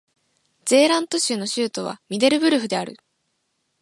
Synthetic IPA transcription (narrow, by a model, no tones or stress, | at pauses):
z̥e̞ːɾãnt̪o̞ɕɨːno̞ɕɨːt̪o̞β̞a̰mʲid̪e̞ɾɯ̟bɯ̟ɾɯ̟ɸɯ̟d̪e̞aɾɯ̟̰